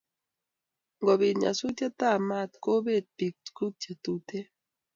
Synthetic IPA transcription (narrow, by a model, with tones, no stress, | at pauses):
ŋɡo˨βi˨ɲa̰˨su˦t͡ʃa˦t̪a˦˨ma˦˨t̪ko˦be˦˨t̪̚pi˨k̚ku˦t̚t͡ʃa˨t̪u˦t̪e˦